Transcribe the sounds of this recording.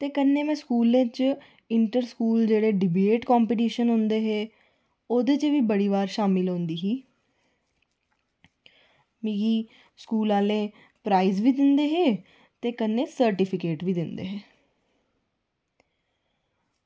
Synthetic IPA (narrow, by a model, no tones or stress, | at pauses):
t̪eːkənːeːmɛ̃ːskuːlẽːt͡ʃ | ɪɳʈəɾskuːld͡ʒeːɽeːɖɪbeːʈkɔːmpiːʈiːʃənɦʊ̃nd̪eːɦeː | od̪et͡ʃʋiːbəɽiːʋaːɾʃaːmɪlɦõːnd̪iːɦiː | mĩːɡiː | skuːlaːlẽː | pɾaːizʋiːd̪ɪnd̪eːɦeː | t̪eːkənːẽːsəɾʈɪpʰɪkeːʈʋiːd̪ɪnd̪ḛːɦɛ̃ː